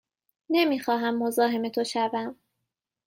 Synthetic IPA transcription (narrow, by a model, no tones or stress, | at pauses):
ne̞miːxɒːɦæmːo̞zɒːɦe̞me̞t̪ʰo̞ʃævæm